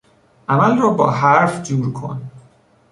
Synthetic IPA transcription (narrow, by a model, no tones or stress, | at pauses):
ʔæmælrɒːbɒːɦæɾfd͡ʒuːɾkʰo̰n